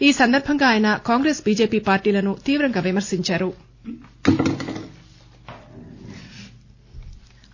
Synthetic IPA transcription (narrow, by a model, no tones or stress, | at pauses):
iːsɐnd̪ɐɾbʱɐŋɡaːjɐnɐkaːŋɡɾe̞ːsbiːd͡ʒe̞ːpiːpaːɾʈiːlɐnut̪iːʋɾɐŋɡaːʋimɐɾsiɲt͡ʃaːɾu